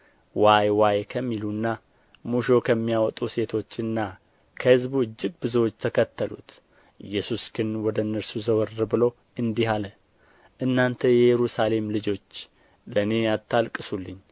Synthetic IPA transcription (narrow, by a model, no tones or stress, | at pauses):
wajwajkʰəmːilunːa | muʃo̞kʰəmːijawɔt̪ʼuse̞t̪ʰo̞t͡ʃːɨnːa | kʰəhɨzbuɨd͡ʒːɨɡ̚bɨzowot͡ʃːt̪ʰəkʰət̪ːəlṵt̪ | ɨ̰jːɛsusɡɨnwɔd̪ənːəɾsuzəwəɾːɨbɨlo̞ | ɨnd̪iɦalə | ʔɨnːant̪ʰəjɛjɛɾusale̞mlɨd͡ʒo̞t͡ʃː | ləne̞jat̪ʰːalkʼɨsulːɨɲː